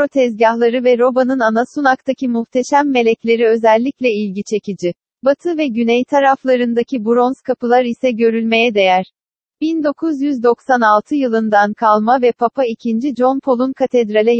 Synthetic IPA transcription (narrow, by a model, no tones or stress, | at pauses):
pɾo̞t̪ʰɛzɟahlˠaɾɯvɛɾo̞banɯnanasunakt̪ʰacʰimuht̪ʰe̞ʃæmːe̞lʲɛclʲe̞ɾiø̞zɛlʲːiclʲɛilʲɟit͡ʃʰe̞cid͡ʒi | bat̪ʰɯvɛɟynɛjt̪ʰaɾaflˠaɾɯnd̪acʰibuɾo̞nskʰapɯlˠaɾisɛɟø̞ɾylʲme̞jɛd̪e̞jæɾ̥ | bind̪o̞kʰuzjyzd̪o̞ksanalˠt̪ʰɯjɯlˠɯnd̪ankʰalˠmavɛpʰapʰaicʰind͡ʒid͡ʒo̞npʰo̞lˠunkʰat̪ʰɛd̪ɾalʲɛ